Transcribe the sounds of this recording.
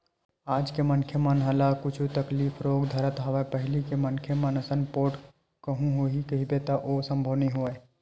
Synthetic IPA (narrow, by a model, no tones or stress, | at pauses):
aːd͡ʒkemənkʰjəmənɦəlakʊt͡ʃʰut̪əkliːfʰɾoːɡd̪ʱəɾət̪ɦaʋapəɦɪlikemənkʰjəmənəsənpoːʈ | kəɦũɦoɦikɐɦibet̪aʔosə̃mbʱəʋniɦoe